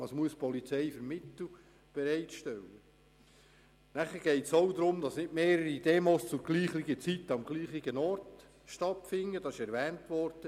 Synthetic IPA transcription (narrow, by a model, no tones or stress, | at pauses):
ɑsmuəspʰɔlit͡sɛɪfəɾmɪtl̩ | b̥ɛɾɛɪtʃtɛlːə | næχəɾɡ̥ɛɪtsɔwd̪ɾʊmd̥ɑsnɪtmeːɾəɾid̥ɛːmoːst͡sʊɡ̥liːχlɪɡət͡sit̪ːəɑmɡliːχɪɡənɔrt | ʃtɑtfɪŋːəd̥ɑsɪʃɛɾʋæːntʋɔɾd̥ə